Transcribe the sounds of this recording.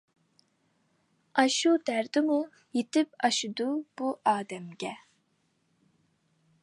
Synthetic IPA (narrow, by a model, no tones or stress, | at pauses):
ɑʃud̪̥ɛɾd̪ɨmu | jit̪ipɑʃud̪ub̥uʔaːd̪ɛmɡʲɛ